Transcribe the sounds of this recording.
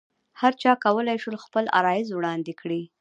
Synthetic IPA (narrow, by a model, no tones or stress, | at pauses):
haɾt͡ʃɑkawəlajʃəlxpəla̰ɾɑjɪzwɽɑnd̪ɪkɽi